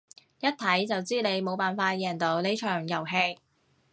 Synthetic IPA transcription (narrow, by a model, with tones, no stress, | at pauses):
jɐ˥t̚t̪ʰɐ˨˥jt͡sɐ˨wt͡siː˥ne˨˧jmo˨˧wpaː˨˩nfaː˧t̚jɛː˨˩ŋt̪o˨˧wnle˨˥jt͡ʃʰœː˨˩ŋjɐ˨˩wɦe˧j